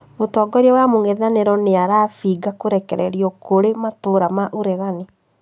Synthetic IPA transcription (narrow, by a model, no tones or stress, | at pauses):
otɔːɡɔɾiwamoŋeðaneɾɔneaɾaːfiɡakoɾɛkɛɾɛɾiɔkoɾematoɾamaʔoɾɛɣane